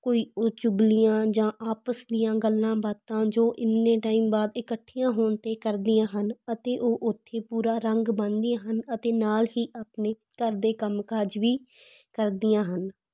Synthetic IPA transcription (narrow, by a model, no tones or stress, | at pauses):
koːiːoːt͡ʃʊɡlɪjãːd͡ʒãːʔaːpəsd̪ɪjãːɡəlːãːbaːt̪ãːd͡ʒoːʔɪnːẽːʈaːiːmbaːd̪ɪkəʈʰːijãːɦoːɳt̪eːkəɾd̪ɪjãːɦənət̪eːʔoːʔʊt̪ʰːeːpuːɾaːɾəŋɡbə̃nd̪ɪjãːɦənət̪eːnaːlɦiːʔaːpneː | kəɾd̪eːkəmkaːd͡ʒʋiːkəɾd̪ɪjãːɦən